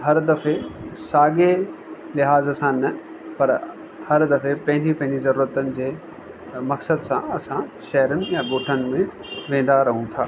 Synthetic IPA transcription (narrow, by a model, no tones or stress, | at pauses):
ɦɐɾd̪ɐfesaːɡelɪɦaːzsãnɐ | pɐɾ | hɐɾd̪ɐfepɐ̃ɦɪ̃ɲd͡ʑipɐ̃ɦɪ̃ɲd͡ʑizɐɾuːɾət̪ənɪ̆d͡ʑeː | mɐksəd̪sãɐsãʃɐɦɾənɪ̆jãɡoːʈʰənɪ̆mẽʋẽːn̆d̪aɾɐɦũt̪ʰa̰ː